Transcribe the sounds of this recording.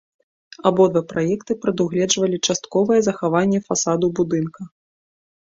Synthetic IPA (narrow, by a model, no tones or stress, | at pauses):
abɔd̪vapɾʔajɛkt̪ɨpɾɐd̪uɣlʲɛd͡ʐvɐlʲit͡ʂast̪kɔvɐjɛzɐxavanʲːɛfasad̪ubud̪ɨnkɐ